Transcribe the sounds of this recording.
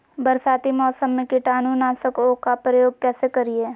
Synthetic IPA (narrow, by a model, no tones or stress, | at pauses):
bɐɾsaːt̪imɔːsəmːẽkiʈaːnunaːsəkokapɾəjoːɡ̚kɛːsekɐɾieː